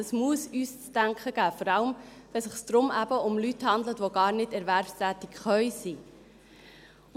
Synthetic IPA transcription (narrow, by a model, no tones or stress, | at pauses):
əsmuəsyːst͡stæŋkχəɡ̥æːfɔɾɑləm | ʋɛsɪχsd̥̪ɾʊmæb̥əʊmlythɑnd̪lətʋoɡɑːɾnɪdɛɾʋæɾfst̪æːt̪ɪkχœʏsi